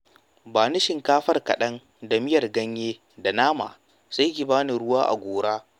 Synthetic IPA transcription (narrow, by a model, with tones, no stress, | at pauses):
baː˨nɪ˦ʃɪ˨ŋkaː˦ɸɐ˦rkɐ̰˨ɗɐ˦n | da˨mɪ˦jɐ˨rɡɐ˦ɲjeː˦ | da˨naː˦ma̰ː˨ | sa˦jkʲi˨baː˦ni˨ɽʊ˦waː˦ʔa̰˨ɡʷoː˨ɽaː˦